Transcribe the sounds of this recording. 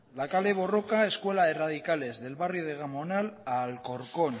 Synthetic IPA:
lakale̞β̞o̞rokae̞skwe̞laðe̞rað̞ikale̞zðe̞lβarjoð̞eɣ̞amonalalko̞ɾkon

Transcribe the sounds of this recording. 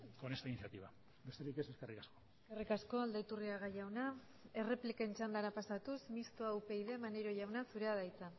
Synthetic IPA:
konest̪ainiθjat̪iβa | be̞st̪eɾike̞se̞skerikasko | skerikasko̞ald̪ait̪uriaɣaʝawna | e̞re̞plike̞nt͡ʃand̪aɾapasat̪usmist̪oawpe̞jðe̞maneɾo̞ʝawnasuɾe̞að̞ajt͡sa

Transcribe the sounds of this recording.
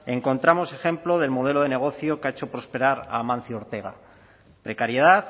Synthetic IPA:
e̞ŋko̞nt̪ɾamo̞se̞xe̞mplo̞ð̞e̞lmo̞ð̞e̞lo̞ðe̞ne̞ɣ̞o̞θjo̞keaet͡ʃo̞pɾo̞spe̞ɾaɾa̰mãn̟θjo̞ɾt̪e̞ɣ̞a̰ | pɾe̞kaɾjeð̞aθ

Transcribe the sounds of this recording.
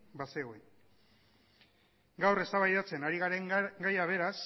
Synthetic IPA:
baseɣoin | ɡawre̞st̪aβajðat͡se̞naɾiɣaɾeɡajaβ̞e̞ɾas

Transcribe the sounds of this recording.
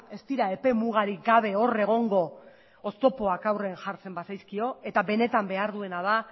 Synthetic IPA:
e̞st̪iɾae̞pe̞muɣ̞aɾiɡaβ̞e̞o̞re̞ɣ̞o̞ŋɡo̞ | ost̪o̞po̞akawre̞ːnʝaɾt͡se̞mbasajskio̞e̞t̪aβe̞ne̞t̪ambe̞aɾðue̞nað̞a

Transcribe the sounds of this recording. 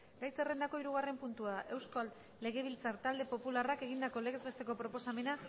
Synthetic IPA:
ɡajse̞re̞nd̪ako̞iɾuɣ̞are̞mpunt̪uaðʔe̞wskalː | e̞ɣe̞β̞ilt͡saɾt̪ald̪e̞po̞pularake̞ɣind̪ako̞leɣezβe̞st̪e̞ko̞pɾo̞po̞same̞na

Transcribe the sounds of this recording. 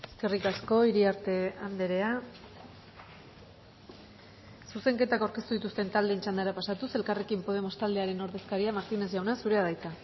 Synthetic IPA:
e̞ske̞rikasko̞iɾiaɾt̪e̞and̪eɾe̞a | suse̞ŋke̞t̪akawɾkest̪uðit̪ust̪e̞nt̪ald̪e̞ːnt͡ʃand̪aɾapasat̪use̞lkare̞kimpo̞ð̞e̞mo̞st̪ald̪e̞aɾe̞no̞ɾðe̞skaɾiamaɾt̪ine̞sʝawnasuɾe̞aðajt͡s̪a

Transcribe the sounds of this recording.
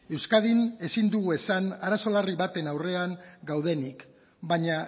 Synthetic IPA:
e̞wskaðine̞sind̪uɣue̞sanaɾaso̞lariβat̪e̞nawre̞aŋɡawð̞e̞nik | baɲa

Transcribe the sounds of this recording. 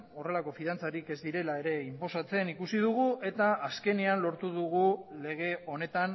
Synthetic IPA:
o̞re̞lako̞fiðant͡saɾike̞zd̪iɾe̞lae̞ɾe̞impo̞sat͡se̞nikusið̞uɣ̞uʔe̞t̪aaske̞nianlo̞ɾt̪uðuɣule̞ɣ̞e̞o̞ne̞t̪an

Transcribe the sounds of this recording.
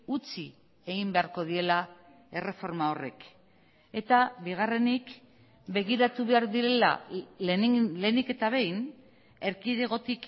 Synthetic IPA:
ut͡si | e̞ɣimbe̞aɾko̞ð̞ie̞la | e̞re̞fo̞ɾmao̞re̞k | e̞t̪aβiɣ̞are̞nik | be̞ɣiɾat̪uβe̞aɾðiɾe̞la̰ | le̞nike̞t̪aβ̞e̞jn | e̞ɾkiðeɣo̞t̪ik

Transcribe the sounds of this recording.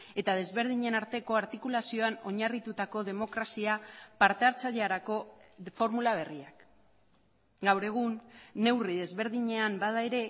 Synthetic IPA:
e̞t̪að̞e̞zβe̞ɾð̞iɲe̞naɾt̪e̞ko̞aɾt̪ikulasio̞ano̞ɲarit̪ut̪ako̞ðe̞mo̞kɾasiapaɾt̪e̞aɾt͡saʎaɾako̞fo̞ɾmulaβ̞e̞riak | ɡawɾe̞ɣ̞unːe̞wriðe̞zβe̞ɾðiɲe̞ambaðaeɾe̞

